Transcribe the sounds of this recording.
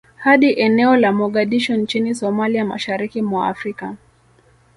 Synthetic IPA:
haɗiʔɛnɛɔlamɔɠaɗiʃɔnt͡ʃinisɔmaliama̰ʃaɾikimwaa̰fɾika

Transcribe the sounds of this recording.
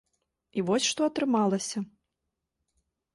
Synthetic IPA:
ivɔsʲʂt̪ɔɐt̪ɾɨmalˠɐsʲɐ

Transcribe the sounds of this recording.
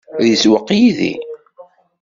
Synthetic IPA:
ðiswəqːjiðḭ

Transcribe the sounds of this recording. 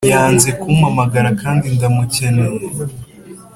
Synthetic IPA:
jaːnze̞kumamaɡaɾakaːndindamuce̞neɾe

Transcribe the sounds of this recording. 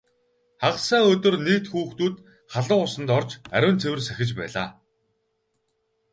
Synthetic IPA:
χaʁsaːɵt̪ɵ̆rniːkt̪xuːxt̪uːt̪ | χaɮə̆ɴʊsə̆nt̪ɔrt͡ɕæ̰ɾʲʊ̆ːnt͡sʰewɘ̆rsæxʲɪ̆t͡ɕpæ̰ːɮa̰ː

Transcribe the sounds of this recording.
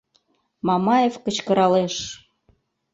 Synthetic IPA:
mɑmɑjefkə̆t͡ɕkə̆ɾɑleʃ

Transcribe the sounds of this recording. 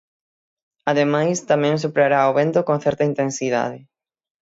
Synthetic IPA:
aðemajst̪amɛ̃ŋs̬upɾaɾaoβent̪okõnθɛɾt̪ɐint̪ensiða̰ðɪ

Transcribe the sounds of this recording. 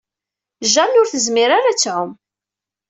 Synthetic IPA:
ʒænʊɾθəzmɪɾaɾat͡sːʕʊm

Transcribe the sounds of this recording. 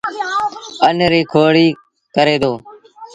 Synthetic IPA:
ənɾiːkʰoːɽiː | kəɾeːd̪oː

